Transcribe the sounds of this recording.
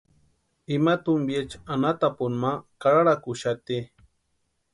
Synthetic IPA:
imat̪ʊmbjet͡ʃanat̪apʊnmakaɾaɽakuʃat̪i

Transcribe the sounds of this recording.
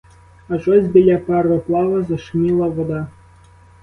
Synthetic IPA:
ɐʒɔzʲbʲilʲapɛrɔplˠɑʋɐzɐʃmʲilˠɐʋɔd̪ɑ

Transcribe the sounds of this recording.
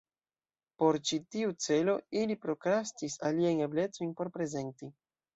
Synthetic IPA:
po̞ɾt͡ʃitiut͡se̞lo̞ilipɾo̞kɾastisaliajne̞ble̞t͡so̞jnpo̞ɾpɾe̞ze̞nti

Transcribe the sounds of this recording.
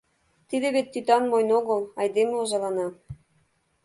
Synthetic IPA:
t̪id̪eβet̪ːyt̪ɑnmojnoɣəlɑjd̪emloʒɑlɑnɑ

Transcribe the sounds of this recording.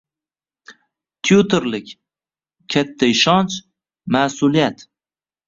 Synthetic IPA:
t̪ʰjut̪ʰeɾlɪkʲ | kʲʰat̪ʰːaɪʃɒnt͡ʃ | masʊlijat̪

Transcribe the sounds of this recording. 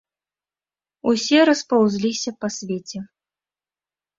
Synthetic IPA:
usʲɛɾɐspawzʲlʲisʲɐpɐsʲvʲet͡sʲɛ

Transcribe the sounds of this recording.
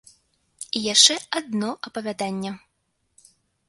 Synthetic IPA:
ijaʂt͡ʂɛad̪nɔʔɐpɐvʲad̪anʲːɛ

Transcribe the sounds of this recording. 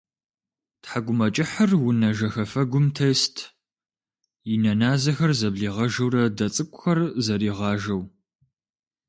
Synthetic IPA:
tħaɡʷʊmɐt͡ʃʼɪħərwʊnɐʒɐxɐfɐɡʷʊmtʰɐjstʰ | jɪnɐnaːzɐxɐrzɐbɮiːʁɐʒɐwrɐdɐt͡sʼɨkʷʼʊxɐrzɐɾiːʁɑːʒɐw

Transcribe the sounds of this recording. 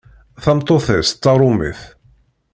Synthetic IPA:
θɑmt̪ˤːoθɛsːɑɾˤʊmḭθ

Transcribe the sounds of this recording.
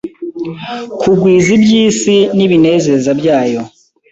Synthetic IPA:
kʰuɡwiːzibjiːsiniβine̞ːze̞ɾzabjaːjo̞

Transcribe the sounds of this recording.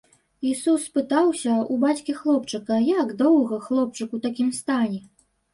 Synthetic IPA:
isusːpɨt̪awsʲɐubat͡sʲkʲixlˠɔpt͡ʂɨkɐjaɡd̪ɔwɣɐxlˠɔp̚t͡ʂɨkut̪akʲimst̪anʲɛ

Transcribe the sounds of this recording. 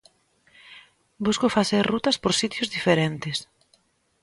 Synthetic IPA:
buskʊfaθeɾrut̪ɐspoɾsit̪jozðifeɾent̪ɪs

